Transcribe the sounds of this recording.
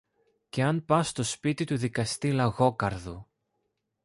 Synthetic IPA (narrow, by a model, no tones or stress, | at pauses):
ce̞ɐnpɐst̪o̞spit̪it̪uðikɐst̪ilɐɣo̞kɐɾðu